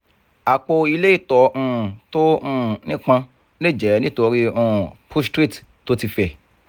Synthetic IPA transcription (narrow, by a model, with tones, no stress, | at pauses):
a˨k͡po˧i˧le˦i˦˨tɔ˨˦ũ˧˨to˦ũ˦˨nĩ˦k͡pã˧ | le˦˨d͡ʒɛ˨˦nĩ˦to˧ɾi˦ũ˧˦˨pʰu˦stɾi˦˨t | to˦ti˧fɛ˧˨